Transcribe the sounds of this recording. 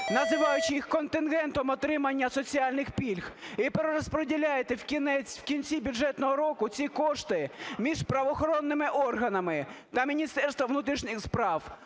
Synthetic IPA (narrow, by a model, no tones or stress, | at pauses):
nɐzɪʋɑjʊt͡ʃɪjixkɔnt̪ɪnɣɛnt̪ɔmɔt̪ɾɪmɐnʲːɐsɔt͡sʲiɑlʲnɪxpʲilʲxipeɾeɾɔspɾedʲilʲajet̪ɛwkʲinɛt͡sʲwkʲint͡sʲibʲʊdd͡ʒɛt̪nɔɦɔɾɔkʊt͡sʲikɔʃt̪ɪmʲiʒpɾɐʋɔxɔɾɔnːɪmɪʔɔrɦɐnɐmɪt̪ɐmʲinʲist̪ɛrst̪ʋɐʋnut̪ɾiʃnɪxspɾɑw